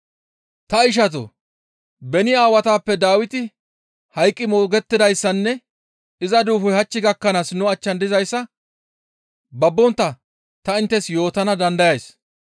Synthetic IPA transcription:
t̪ɐɪʃ̬ɐt̪̬o̰ | bɛnɪjaːwɐt̪aːpːɛd̪aːwɪt̪ɪ | hɐjkʼːɪmoːɡɛt̪ːɪd̪ɐjsːɐnːɛ | ɪzɐd̪uːfɔjhɐt͡ʃːɪɡɐkːɐnaːsnʊɐt͡ʃːɐnd̪ɪzɐjsːɐ | bɐbːɔnt̪ːɐ | t̪ɐɪnt̪ːɛsjo̞ːt̪ɐnɐd̪ɐnd̪ɐjɐjs

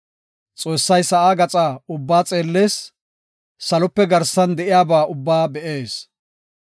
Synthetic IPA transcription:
t͡sʼo̞ːsːɐjsɐʔaːɡɐt͡sʼaːʊbːaːt͡sʼe̞ːlːeːsː | ɐlɔpːɛɡɐɾsːɐnd̪ɛʔɪjaːbaːʔʊbːaːbɛʔeːs

